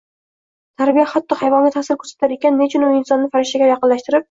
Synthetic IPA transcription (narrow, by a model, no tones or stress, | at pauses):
t̪ʰaɾbijahat̪ːɒhajvɒŋɡʲat̪ʰasɪɾkʰɵɾsḁt̪ʰaɾekʲanːe̞t͡ʃʰɪnʊnɪnsɒnːɪfaɾɪʃt̪aɡʲajɑqɨnlaʃt̪ɪɾɪp̚